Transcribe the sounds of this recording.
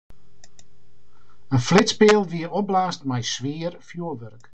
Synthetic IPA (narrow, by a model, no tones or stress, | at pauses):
ənflɪtspɪəlˠʋiəɾɔp̚blaːstmɛjsʋɪːərfjuəʋørk